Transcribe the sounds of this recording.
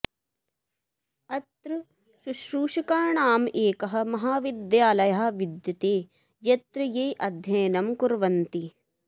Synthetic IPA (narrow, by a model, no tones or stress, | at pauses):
ɐt̪ɾɐ | ʃuʃɾuːʃikaːɳaːmʔeːkɐɦɐ̆mɐɦaːʋid̪jaːlɐjɐɦɐ̆ʋid̪jɐt̪eː | jɐt̪ɾɐjeːʔɐd̪ʱjɐjnɐmkuɾʋɐnt̪i